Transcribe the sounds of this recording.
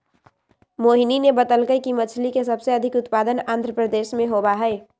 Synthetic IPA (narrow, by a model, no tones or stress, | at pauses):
moːɦininebət̪əlkəjkimət͡ʃʰlikesəbseəd̪ʱɪkʊt̪paːd̪ənãːnd̪ʱɾəpɾəd̪eːʃmẽɦobaɦɛɪ